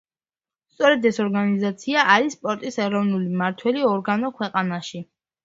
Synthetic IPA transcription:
st̪sʼɔɾɛd̪ɛsɔɾɡanizat̪sʰiaʔaɾisːpʼɔɾt̪ʼisɛɾɔvnulimaɾt̪ʰwɛliɔɾɡanɔkʰwɛqʼanaʃi

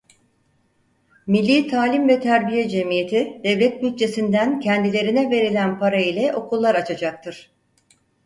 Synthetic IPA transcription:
milʲːiːt̪ʰaːlʲimvɛt̪ʰæɾbijɛd͡ʒemije̞t̪ʰid̪̥ɛvlʲɛt̪̚byt̪̚t͡ʃʰe̞sind̪æncʰɛnd̪ilʲe̞ɾinɛve̞ɾilʲænpʰaɾailʲɛʔo̞kulˠːaɾat͡ʃʰad͡ʒak̚t̪ʰɯɾ̥

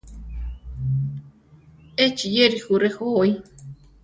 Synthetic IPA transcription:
et͡ʃijeɾixuɾexoj

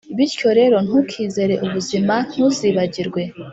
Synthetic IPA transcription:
iβiɾco̞ɾe̞ɾo̞n̥hukʰiːze̞ɾe̞ʔuβuziman̥huziβaɟiɾɡwe̞

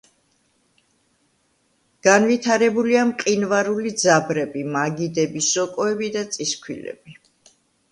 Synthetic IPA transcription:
ɡ̥anvit̪ʰaɾɛbuliamqʼinvaɾulid̪zabɾɛbimaɡid̪ɛbisɔkʼɔɛbid̪at̪sʼiskʰwḭlɛ̰b̥i

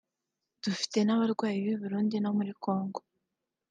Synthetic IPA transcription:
d̥ufi̥te̞naβaɾɡwaːjiβiβuɾuːndino̞muɾiko̞ːŋɡo

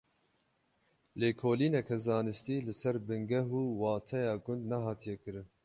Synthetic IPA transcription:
leːkʰoːliːnɛkʰɛzɑːnɨst̪iːlɨsɛɾbɨŋɡɛɦuːwɑːt̪ʰɛjɑːɡʊnd̪nɛɦɑːt̪ʰijɛkɨɾɨn

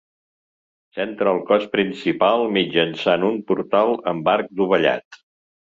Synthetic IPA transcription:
sent̪ɾəːlˠkɔspɾinsipalˠmid͡ʒənsanumpuɾt̪alˠəmbaɾk̚d̪uβ̞əʎa̰t̪

